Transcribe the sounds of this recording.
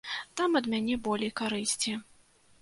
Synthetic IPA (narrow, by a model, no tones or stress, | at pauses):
t̪amɐd̪mʲanʲɛbɔlʲejkaɾɨsʲt͡sʲi